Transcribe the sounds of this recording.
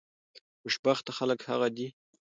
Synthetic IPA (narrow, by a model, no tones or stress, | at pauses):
mʊʃbaxt̪axaləkha̰ɣad̪i